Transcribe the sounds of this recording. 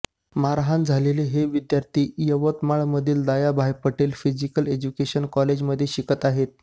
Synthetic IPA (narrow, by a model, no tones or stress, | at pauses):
maɾaɦãnd͡zʱaleleɦeʋid̪jaɾt̪iːjəʋət̪maɭməd̪ʱiːld̪ajabʱajpəʈeːlfid͡ʑikəled͡ʑukeɕənkɔled͡ʑməd̪ʱːjeɕikət̪aɦet̪̚